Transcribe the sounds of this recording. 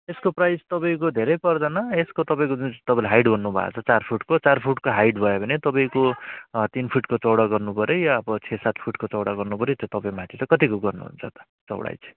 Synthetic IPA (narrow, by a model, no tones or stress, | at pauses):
eskoprajst̪ʌpaĩkod̪ʱeɾʌjpʌrd̪anʌeskot̪ʌpaĩkod͡zunt̪ʌpãlɦajɖbʱʌnːubʱa̰a̰t͡sʰʌt͡sarpʰuʈkot͡sarpʰuʈkoɦajɖbʱʌjobʱʌnet̪ʌpaĩkot̪inpʰuʈkot͡sʌwɽaɡʌrnupʌɾjojʌʌbʌt͡sʰesat̪ʰpʰuʈkot͡sʌwɽaɡʌrnupʌɾit̪jot̪ʌpaĩmãt̪ʰit͡sʌkʌt̪ikoɡʌrnṵɦṵnt͡sʰʌt̪ʌ̥ | t͡sʌ̰wɽa̰jt͡sʰ